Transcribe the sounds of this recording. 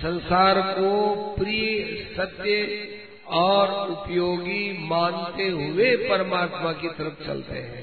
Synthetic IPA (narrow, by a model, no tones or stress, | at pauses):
sə̃nsaːɾkopɾijsɐt̪jə | ɔːɾʊpjoːɡimãːnt̪eɦʊepɐɾəmaːt̪makit̪ɐɾəpʰt͡ʃɐ̰lt̪ḛɦɛ̰̃ː